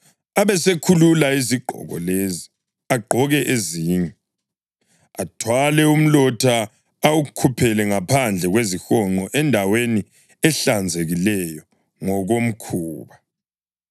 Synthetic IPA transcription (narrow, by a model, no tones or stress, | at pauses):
aβɛsekʰululaiziǃʱɔ̰ɣɔ̰lezi | aɡ͡ǃʱɔɣɛʔeziːɲɛ | atʰwalɛum̩lɔtʰaː | wukʰupʰɛlɛŋapʰand͡ɮʱɛɣwezixɔŋ͡ǃɔʔɛndʱaweni | ɛɬand͡zʱeɣilɛjɔ | ŋɔɣom̩kʰuːβa